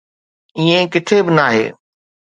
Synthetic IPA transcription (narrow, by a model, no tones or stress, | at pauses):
iːẽkɪt̪ʰebɪnaːɦḛː